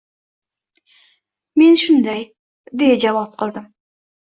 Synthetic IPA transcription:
me̞nʃʊnd̪aj | d̪e̞jad͡ʒavɑp̚qʰɨlˠd̪ɪm

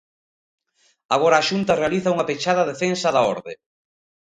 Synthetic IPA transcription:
aɣ̞ɔɾaːʃunt̪ɐrealiθɐuŋɐpet͡ʃað̞ɐðefensɐðaɔ̰ɾðḛ

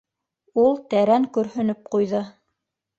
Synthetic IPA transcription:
ulˠt̪æɾæŋkɵ̆ɾhɵ̆nɵp̚qujðɤ

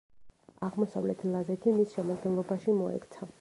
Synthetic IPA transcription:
aʁmɔsavlɛt̪ʰlˠazɛt̪ʰimisʃɛmad̪ɡɛnlˠɔbaʃimɔɛ̰kt̪sʰa

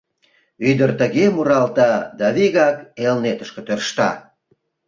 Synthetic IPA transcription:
yd̪ərt̪əɣemuɾɑlt̪ɑd̪ɑβiɣɑkelnet̪ə̥ʃkĕt̪ørʃt̪ɑ̰

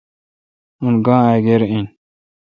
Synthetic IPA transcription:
unɡãːaɡeɾin

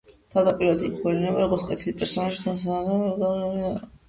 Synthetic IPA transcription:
t̪ʰavd̪apʼiɾad̪ikʰbɔlinɛbaɾɔɡɔɾt̪skʼɛt̪ʰilipʼɛɾsɔnaʃi̥t̪ʰansaanaɡɔ

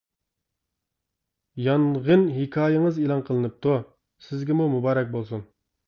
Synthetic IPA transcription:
jɑnʁənɦikʰʲɑːjɪŋəzilˠɑnqʰəlˠɨnɨp̚t̪ʰu | sɪzɡʲɪmumubɑːɾɛk̚ʲbolˠsun

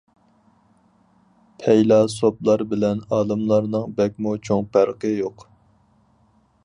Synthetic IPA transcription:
pʰɛjlɑsoplˠɑɾbɪlɛnɑːlˠɨmlˠɑɾnɨŋbɛk̚ʲmut͡ʃʰoŋpæɾqəjoq

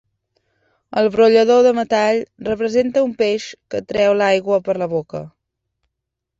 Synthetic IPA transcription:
əlˠβɾuʎəðoðəmət̪aʎrəpɾəzent̪əumpeʃkət̪ɾɛwlajɣwəpəɾləβokə̰

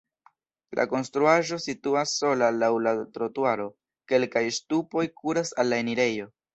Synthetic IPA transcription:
lʔa̰ko̞nstɾuaʒo̞situasːo̞lalawlatɾo̞tuaɾo̞ | ke̞lkajstupo̞jkʰuɾasalːae̞niɾe̞jo̞

